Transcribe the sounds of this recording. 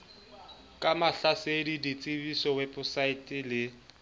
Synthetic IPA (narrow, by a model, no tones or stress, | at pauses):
kʼamaɬasedidit͡sʼɪbisɔwɛpʼʊsaɪtʼɪlɪ